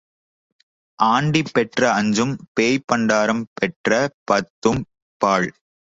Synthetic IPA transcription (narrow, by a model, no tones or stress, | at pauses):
ʔaːɳɖipːɛʈrɐɐɲd͡ʒɯmpeːjpːɐɳɖaːɾɐmpɛʈrɐpɐt̪ːɯm | paːɭ